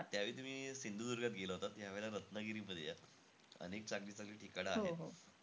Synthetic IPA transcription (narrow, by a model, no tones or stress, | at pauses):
at̪jaʋeit̪um̤iːsind̪uːd̪uɾɡat̪̚ɡeləɦot̪at̪jaʋeɭaɾət̪nəɡiɾiːməd̪ʱja | ə̰nek̚t͡ɕaɡliːsaɡliːʈʰikaɽaaɦɦoeɦo